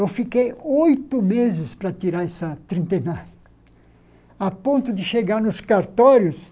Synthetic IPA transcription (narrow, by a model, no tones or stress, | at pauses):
ewfikejojt̪ʊmezɪspɾɐt̪iɾaɾɛsɐt̪ɾĩnt̪ẽnɐ | apõnt̪ʊd̪ɪʃeɡaɾnʊskaɾt̪ɔɾjʊs